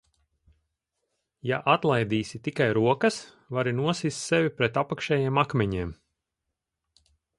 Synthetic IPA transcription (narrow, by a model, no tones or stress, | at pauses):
jaʔat̪lˠajd̪iːsit̪ikajɾuɔkɐs | vaɾinuɔsiːst̪sɛvʲipɾɛt̪apakʃɛːjeɛmakmʲɛɲiɛːm